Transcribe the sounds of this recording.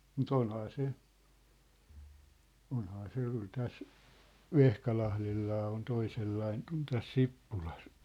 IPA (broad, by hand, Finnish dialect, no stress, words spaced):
mut onhɑː se onhɑː se jɑ̆ kyl tæs ʋehkɑlɑhlelːɑː on toiselːɑiŋ k̆ŭn tæs sipːulɑs